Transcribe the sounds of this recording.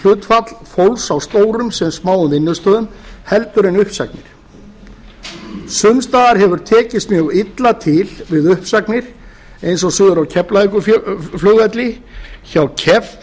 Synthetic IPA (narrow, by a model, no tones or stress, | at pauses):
l̥ʏːt̪fat̪l̥fowlsawst̪oːwɾʏmsɛmsmaːwʏmɪnːʏst̪œːðʏmhɛlt̪ʏɾenʏhpsak̚nɪɾ̥ | sʏmst̪aːðaɾɦɛvʏɾ̥t̪ʰɛːcɪst̪mjœɣit̪lat̪ʰɪlvɪðʏhpsaknɪɾ̥ | ejnsɔsʏːðʏɾawcʰɛplaikʏflʏːɣat̪lɪçawcʰɛv